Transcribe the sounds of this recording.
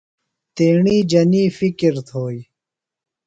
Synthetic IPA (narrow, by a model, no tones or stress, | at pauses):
t̪eːɳiːd͡ʑɐniːfikiɾt̪ʰoːj